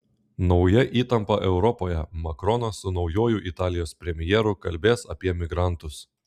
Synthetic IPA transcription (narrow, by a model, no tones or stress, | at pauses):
nɒʊjɛʔiːt̪ɐmpɐʔɛʊɾɔpoːjɛmɐkɾɔnɐsʊnɒʊjoːjʊʔɪt̪ɑːlʲɪjoːspʲɾʲɛmʲɪjɛːɾʊkɐlʲbʲeːsɐpʲiɛmʲɪɡɾɑˑnt̪ʊs